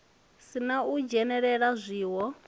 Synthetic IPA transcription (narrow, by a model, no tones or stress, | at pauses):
sinaud͡ʒɛnɛɺɛɺazʷiːwɔ